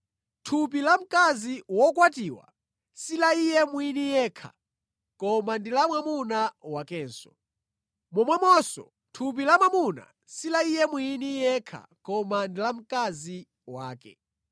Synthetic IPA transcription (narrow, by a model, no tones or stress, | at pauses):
tʰupilam̩kaziwɔkwatiwa̰ | silaijɛmwinijɛːkʰa̰ | kɔmandilamwamunawakɛːnsɔ̥ | mɔmwamɔsɔ̰ | tʰup̬ilamwamuna̰ | silaijɛmwuinijɛkʰa̰kɔmandilam̩kazi | waːkɛ̰